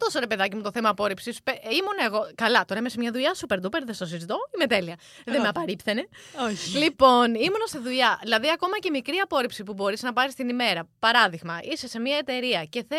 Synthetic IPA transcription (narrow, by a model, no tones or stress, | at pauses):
t̪o̞so̞ɾe̞pe̞ðɐcimut̪oθemɐːpo̞ɾipsispeimonɐeɣo̞kɐlɐt̪o̞ɾɐimesemɲɐðuʎɐsupe̞ɾd̪upeɾðest̪osizit̪o̞imet̪e̞liɐ | ðemeɐpɐɾipθene̞oçlipo̞nimonɐst̪iðuʎɐðilɐðiɐko̞mɐcemikɾiɐpo̞ɾipsipubo̞ɾiznɐpɐɾist̪inime̞ɾɐpɐɾɐðiɣmɐʔise̞se̞mɲɐe̞t̪e̞ɾiɐce̞θe